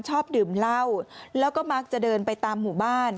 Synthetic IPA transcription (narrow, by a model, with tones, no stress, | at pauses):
nt͡ɕʰɔː˥˩p̚dɯː˨˩mla˥˩wlɛː˦˥wkɔː˥˩ma˦˥k̚t͡ɕa˨˩dɤː˧npa˧jt̪aː˧mːuː˨˩baː˥˩n